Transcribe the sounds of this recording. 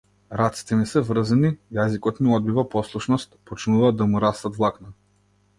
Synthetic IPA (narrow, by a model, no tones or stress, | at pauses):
ɾat̪si̥t̪ɛmisɛvr̩zɛnijazikɔt̪miɔd̪̚bivapɔslˠuʃnɔst̪pɔt͡ʃnuvaːd̪ːamuɾast̪at̪vlˠakna